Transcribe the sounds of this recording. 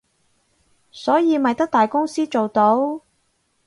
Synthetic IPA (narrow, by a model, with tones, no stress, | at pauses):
sɔː˨˥jiː˨˧mɐ˨jt̪ɐ˥k̚t̪aː˨˩jkʊ˥ŋsiː˥t͡ʃo˨wt̪o˨˥w